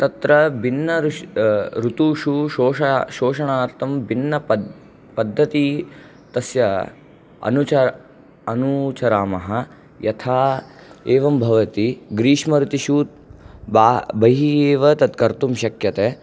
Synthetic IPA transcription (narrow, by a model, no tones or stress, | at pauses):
t̪ɐt̪ɾɐbinːɐɾ | ɾut̪uːʃuʃoːʃɐʃoːʃɐɳaːɾt̪ʰɐmbinːɐ | pɐd̪ʱːɐt̪i | t̪ɐsjɐ | ɐ̰nut͡ʃɐ | ɐnut͡ʃɐɾaːmɐɦɐ̆ | jɐt̪ʰaː | eːʋɐmbʱɐʋɐt̪iɡɾiːʃmɐɾut̪iʃuːt̪̚baːbɐɦieːʋɐt̪ɐt̪kɐɾt̪umʃɐkjɐt̪eː